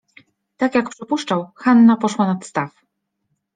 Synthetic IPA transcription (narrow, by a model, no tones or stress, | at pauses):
t̪akjak̚pʂɘpuʂt͡ʂawxanːapɔʂwanat̪st̪af